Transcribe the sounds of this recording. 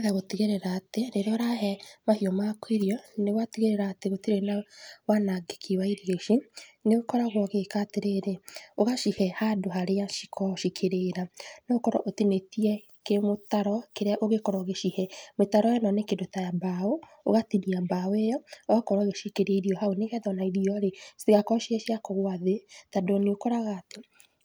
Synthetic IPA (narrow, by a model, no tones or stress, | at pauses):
ðaɣoteɣeɾɛɾaːteneɾeɔɾaɦɛmahiɔmakweɾiɔnewateɣeɾeɾaːteɣotiɾenawanaɡe̥kʰewaiɾiɣeʃineokɔɾaɣwɔɣekateɾeɾeoɣaʃihɛhadoɦaɾeaʃikʰɔʃikʰeɾeːɾanookɔɾɔ̰ʔotinetiɛ | kemotaɾɔkeɾeaʔoɣekɔɾɔoɣeʃihɛmetaɾɔjɔnɔnekendotajabao | o̰ɣatiniabawejɔoɣakɔɾɔɣeʃikeɾeiɾiɔhaoneɣɛðɔnaiɾiɔɾestiɣakɔʃihɛʃiakɔɣwaðetadoneokɔɾaɣaːte